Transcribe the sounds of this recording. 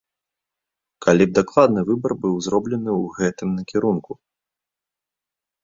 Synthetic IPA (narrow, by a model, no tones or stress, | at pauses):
kʰalʲib̚d̪aklˠad̪nɨvɨbɐrbɨwzɾɔblʲɛnɨwɣɛt̪ɨmnɐkʲɛɾunku